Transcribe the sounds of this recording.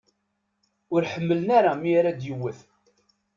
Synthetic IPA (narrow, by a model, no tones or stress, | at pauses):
ʊɾħəmːələnaɾamiɾæd̪jəwːəθ